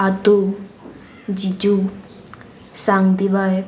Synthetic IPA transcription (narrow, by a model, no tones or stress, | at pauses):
at̪u | d͡ʒid͡ʒu | saŋd̪ibae